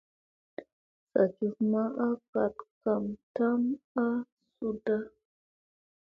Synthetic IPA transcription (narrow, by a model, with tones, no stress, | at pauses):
sa̰˨d͡ʒi˨vma˦ʔa˦ka˨tka˨mta˦ma˦ | su˦da˦